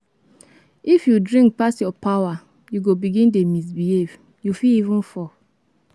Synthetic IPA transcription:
ifjudɹĩŋk̚pasjɔpawa | juɡobiɡĩndemis̬bihev̥ | jufiivũnfɔ

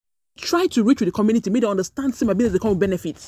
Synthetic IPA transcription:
tʰɹ̥aɪtuɹit͡ʃwɪdðəkʰɔmjunitimedeɔ̃ndəstãndsimabinɛsðəkʰɔmɔ̃nbɛnɛfit

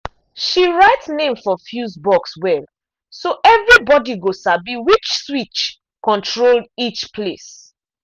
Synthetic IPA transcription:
ʃiɹaɪtnẽmfɔfjusbɔkswɛl | soʔɛvɹibɔdiɡosabiwit͡ʃswit͡ʃ | kɔ̃ntʰɹoldit͡ʃpʰles

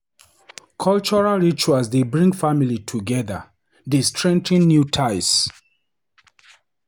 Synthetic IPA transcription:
kʰɔlt͡ʃɔɹalɹit͡ʃuasdebɹĩŋɡfamilitʰuɡɛða̰ | destʰɹɛ̃ŋtĩnːjutʰaɪs

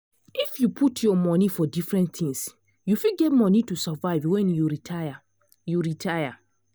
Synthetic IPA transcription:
ifjupʰutʰjɔmɔnifɔdifɹɛ̃ntθĩŋs | jufiɡɛtmɔnitusavaɪvwɛ̃njuɹitʰaja | juɹitʰaja

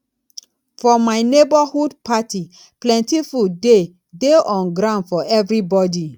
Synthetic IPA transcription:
fɔmaɪnebahudpati | plɛ̃ntifude | deʔɔ̃nɡɾãʊndfɔʔɛvɹibɔdi

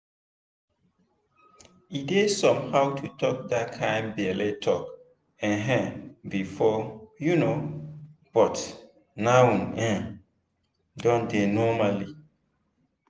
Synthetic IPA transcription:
idesɔ̃mhawtʰutʰɔk̚dat̚kʰãɪ̃mbɛletʰɔk | ɛ̃nɦɛ̃bifɔjuno | b̥ɔt | nawnɛ̃ | dɔ̃ndenɔmali

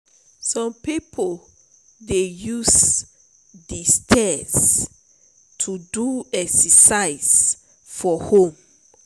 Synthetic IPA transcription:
sɔ̃mpipʰol | dejus | distʰɛz | tʰuduɛksɛsaɪz | fɔhõm

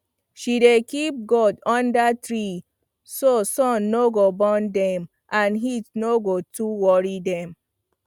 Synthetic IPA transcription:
ʃidekip̚ɡɔdɔ̃ndatɹi | sosɔ̃nːoɡobɔndɛ̃m | ʔãnɦitnoɡotuwɔɹidɛ̃m

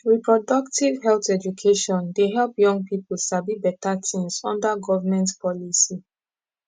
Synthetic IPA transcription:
ɹipɹɔdɔktʰiv̥ɦɛlθɛd͡ʒukʰeʃɔ̃ndeɦɛlˠpjɔ̃ŋɡpipl̩sabibɛtatʰĩnsɔ̰̃ndaɡɔvamɛ̃ntpʰɔlisi

